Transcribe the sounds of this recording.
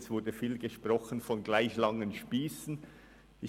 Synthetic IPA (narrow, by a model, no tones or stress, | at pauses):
sv̥ʊɐdəfiːlɡəʃprɔχənfɔnɡlaɪçlɑŋənʃpiːsn̩ | ʔɪ